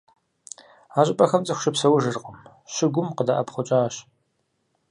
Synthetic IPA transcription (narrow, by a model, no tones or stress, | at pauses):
aːʑʼɪpʼɐxɐmt͡sʼɨxʷʃɪpsɐwʒɨrqʼəm | ʃɪɡʷʊmqəda̰ʔɐpχʷʊt͡ʃʼaːɕ